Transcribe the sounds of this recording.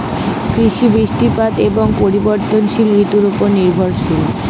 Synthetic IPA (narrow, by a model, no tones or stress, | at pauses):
kɾiʃibɾiʃʈipad̪eboŋpoɾiboɾt̪onʃilɾit̪uɾupoɾniɾbʱoɾʃil